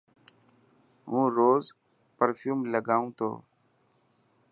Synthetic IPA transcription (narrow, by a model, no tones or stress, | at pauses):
ɦũːɾoːz | pəɾfʰjuːmləɡaːũːt̪ʰo̰ː